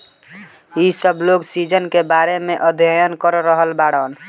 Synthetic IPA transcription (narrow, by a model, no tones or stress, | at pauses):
isəbʱloɡsid͡ʒənkebaɾemeʔəd̪ʱjəjənkəɾɾəɦəlbaɽən